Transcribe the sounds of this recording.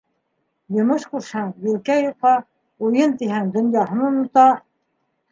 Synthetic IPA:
jŏmɤʃkuɾʃɑnbilkæjuqɑ | ujɤnt̪iɦænd̪ɵ̆njɑɦɤ̆nɤnut̪ɑ

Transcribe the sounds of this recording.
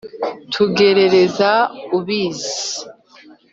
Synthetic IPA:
tʰuɡe̞ɾe̞ɾe̞zauβiːzi

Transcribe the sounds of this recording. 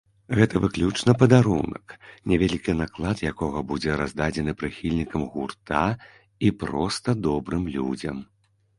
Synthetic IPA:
ɣɛt̪ɐvɨklʲut͡ʂnɐpɐd̪aɾṵnɐ̰knʲɛvʲɛlʲikʲinaklˠat̪jakɔɣɐbud͡zʲɛɾazd̪ad͡zʲɛnɨpɾɨxʲilʲnʲikɐmɣurt̪a | ipɾɔst̪ɐd̪ɔbɾɨmlʲṵd͡zʲɐ̰m

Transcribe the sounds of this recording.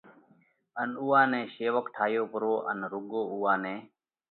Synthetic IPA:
ənuːãːnɛ̃ːʃeːʋəkʈʰaːjoːpʊɾoːʔə̰nɾʊɠoːuːãːnɛ̃ː

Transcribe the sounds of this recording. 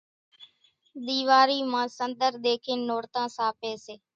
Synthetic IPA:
ɗ̪iːʋaːɾiːmãːsənd̪əɾd̪eːkʰeːnːoːɾt̪ãːsaːpeːseː

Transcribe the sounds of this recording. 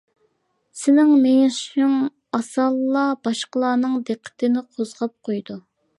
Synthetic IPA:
sɪnɪŋmejʃɪŋ | ɑsɑlˠːɑbɑʃqəlˠɑːnɨŋd̪eqʰːə̥t̪ʰɪnɪqʰozʁɑp̚qʰojd̪u

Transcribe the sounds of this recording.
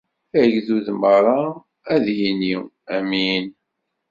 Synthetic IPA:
æʝðuðəmʁɾˤɑ | æðjini | æmin

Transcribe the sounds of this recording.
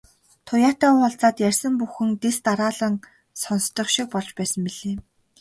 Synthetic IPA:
t̪ʰʊjaːt̪aːɴχɔɮt͡saːt̪jærʲsə̆mpuxɘ̆ŋt̪est̪aɾaːɮə̆n | sɔnst̪ɞ̆χʃik̚pɔɮt͡ɕpæːsə̆mpiɮeː

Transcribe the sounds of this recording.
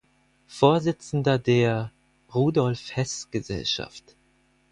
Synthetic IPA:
foːɐzɪt͡sn̩dɐdeːɐ | ʁuːdɔlfhɛsɡ̥əzɛ̰lʃa̰ft

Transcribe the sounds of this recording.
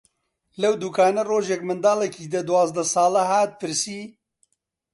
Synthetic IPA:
lɐwd̪ukʰaːnɐroːʒɛkmɨnd̪aːlɛkiːd̪ɐd̪uwaːzd̪ɐsɑːlɐɦaːt̪̚pʰɨɾsiː

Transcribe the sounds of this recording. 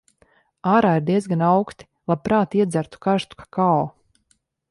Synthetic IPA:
aːɾaːiɾd̪iɛzɡanawkst̪i̥lˠapɾaːt̪iɛd̪zæɾt̪u̥kaɾst̪u̥kḁkaɔ

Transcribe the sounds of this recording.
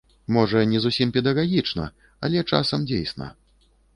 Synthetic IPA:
mɔʐɐnʲɛzusʲimpʲɛd̪ɐɣaɣʲit͡ʂnɐ̰ | ɐlʲɛt͡ʂa̰sɐmd͡zʲḛjsnɐ̰

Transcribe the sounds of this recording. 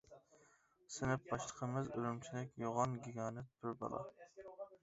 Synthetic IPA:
sɪnɪp̚bɑʃlˠəqʰəmɪzyɾymt͡ʃʰilɪkʲjoʁɑnɡʲiɡɑːnɨt̪̚b̥yɾbɑ̰lˠɑ̰

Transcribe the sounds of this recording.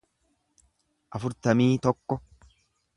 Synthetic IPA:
ʔɐfʊɾt̪ɐmiːt̪ɔkːɔ

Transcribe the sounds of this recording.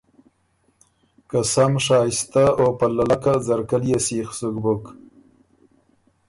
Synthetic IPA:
kasamʂɑːjɪst̪aopalːalakazaɾkaljasixsʊkbʊk

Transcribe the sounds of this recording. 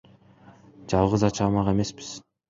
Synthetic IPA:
d͡ʒɑlˠʁɯzɑt͡ʃʰɑːmɑqe̞me̞spi̥z̥

